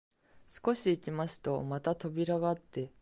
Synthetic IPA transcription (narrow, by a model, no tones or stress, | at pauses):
sɨ̥ko̞ɕiːkʲimaɕi̥t̪o̞mat̪at̪o̞bʲiɾaɡaːt̪ːe̞